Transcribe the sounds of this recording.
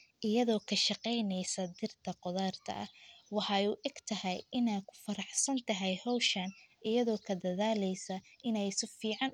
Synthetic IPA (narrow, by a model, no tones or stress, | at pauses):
ʔɪjɐðɔːkʰɐʃɑqɛjnɛjsɐd̪ɪrt̪ʰɐqɔðaːrt̪ʰɐ̰ʔɐ̰hwɑħɑuːʔɛɡ̥t̪ʰɐhɛjɪnɛjkʰʊ̥fɐɾɑħsɐnt̪ʰɐɦɛjhɔwʃɐnʔɪjɐðɔːkʰɐd̪ɐðaːlɛjsɐɪnɛjsʊfiːʕɑn